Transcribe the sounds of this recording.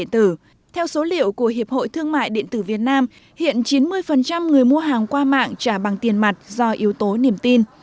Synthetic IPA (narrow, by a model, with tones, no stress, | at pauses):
nt̪ɨ˧˩ | t̪ʰɛ˧wso˨˦lḭ˧˨əwku˧˩əɦi˨˩əp̚ho̰˧˨jt̪ʰɨ˧əŋma̰ː˧˨jɗḛ˧˨ənt̪ɨ˧˩vi˨˩ət̚naː˧m | hḭ˧˨ənt͡ɕi˨˦nmɨ˧əjfə˨˩nt͡ɕa˧mŋɨ˨˩əjmu˧əɦaː˨˩ŋkwaː˧ma̰ː˧˨ŋt͡ɕaː˧˩ɓa˨˩ŋt̪i˨˩ənma˨˩jt̚zɔ˧ʔi˨˦əwt̪o˨˦ni˨˩əmt̪i˧n